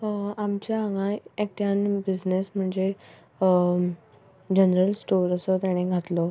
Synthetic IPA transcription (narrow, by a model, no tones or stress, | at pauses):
amt͡ɕjaaŋɡãek̚ʈ̪janbid͡znesm̤əɳd͡ze | d͡ʑənɾəlsʈoɾəsɔt̪jaɽ̃eɡʱat̪lɔ